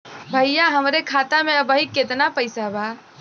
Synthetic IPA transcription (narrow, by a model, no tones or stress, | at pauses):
bʱəjjaɦəmɾekʰaːt̪amẽəbəɦiket̪napəɪsabʱa